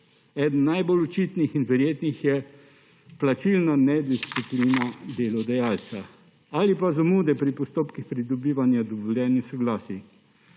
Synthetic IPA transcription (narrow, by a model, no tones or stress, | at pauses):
ɛd̪n̩ːajbolut͡ʃit̪nixinʋɛɾjeːt̪nixjɛ | plat͡ʃilnanɛd̪isipliːnad̪eːlɔd̪ajaːlsa | alipazamuːd̪ɛpɾipɔst̪oːpkixpɾid̪ɔbiːʋanjad̪ɔbɔlʲjɛːnixsɔɡlaːsi